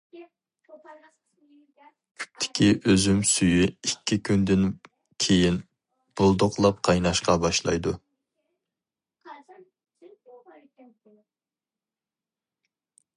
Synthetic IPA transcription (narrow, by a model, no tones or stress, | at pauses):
kʲʰy̥p̚t̪ʰɪ̥kʲʰiʔøzymsyjyɪkʲːikʲʰynd̪ɪn | kʲʰejin | b̥ulˠd̪oqlˠɑp̚qʰɑjnɑʃqɑbɑʃlˠɑ̰jd̪u